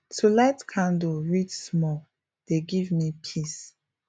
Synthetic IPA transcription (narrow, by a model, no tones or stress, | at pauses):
tʰulaɪtkʰãndoɹitsmɔ | d̥eɡivmipʰis